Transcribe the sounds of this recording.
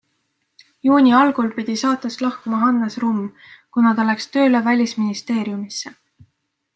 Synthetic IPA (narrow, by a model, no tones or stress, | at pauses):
juːnʲiɑlɡ̥ulpid̪̥isɑːt̪ːˑest̪lɑhkumɑɦɑnːesrumː | kunɑt̪ɑlækst̪ø̞ːlevælʲisminist̪e̞ːɾjumisːe